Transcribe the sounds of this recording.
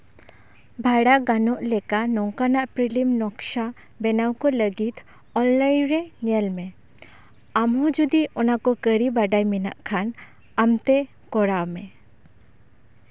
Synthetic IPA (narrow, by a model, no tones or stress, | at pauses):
bʱaɽaʔɡanɔʔlɛkanɔŋkanaʔpɾilimnɔkʃa | bɛnawkɔləɡit̪ʰ | ɔllajnɾɛɲɛlmɛ̃ | amɦɔ̃d͡ʒud̪iɔnakɔkəɾibaɖajmɛna̰ʔkʰan | amt̪ɛ | kɔɽawmɛ